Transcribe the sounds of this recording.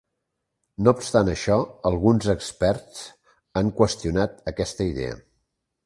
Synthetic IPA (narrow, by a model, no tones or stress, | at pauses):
noupst̪anəʃɔəlˠɣunzəkspɛɾt͡s | aŋkwəst̪iunat̪əkɛst̪əiðḛə̰